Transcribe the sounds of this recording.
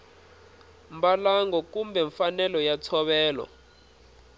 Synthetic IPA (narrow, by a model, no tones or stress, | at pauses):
mbalaŋɡɔkumbɛɱfanɛlɔjatʰɔɓɛːlɔ̰